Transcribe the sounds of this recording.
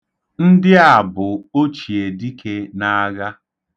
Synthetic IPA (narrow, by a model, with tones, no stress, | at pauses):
n̩˦dɪ˦a˨bʊ˨o˦t͡ʃi˨e˨di˦kʰe˦na˦ɣa˦